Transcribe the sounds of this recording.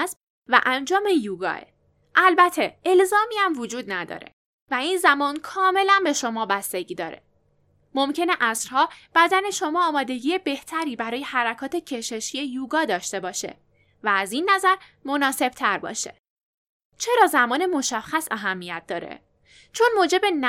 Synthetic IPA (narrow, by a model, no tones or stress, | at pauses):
sb | væ̰ʔænd͡ʒɒːme̞juːɡɒ̰ːḛ | ʔælbæt̪ʰe̞elzɒːmiːæmvod͡ʒuːd̪̚næd̪ɒ̰ːɾḛ | væinzæmɒːnkʰɒːme̞lænbe̞ʃo̞mɒːbæst̪e̞ɟiːd̪ɒ̰ːɾe̞̰ | mo̞mcʰe̞neʔæsɾhɒːb̥æd̪æne̞ʃo̞mɒːmɒːd̪e̞ɟiːe̞be̞ht̪ʰæɾiːbæɾɒːje̞hæɾækʰɒːt̪ʰe̞cʰe̞ʃeʃie̞juːɡɒːd̪ɒːʃt̪e̞bɒːʃe̞̰ | væːzinːæzæɾmo̞nɒːse̞b̥t̪ʰæɾbɒ̰ːʃe̞̰ | t͡ʃʰe̞ɾɒːzæmɒːne̞mo̞ʃæxːæsæɦæmːijæt̪̚d̪ɒːɾḛ | t͡ʃʰo̞nmoːd͡ʒe̞be̞n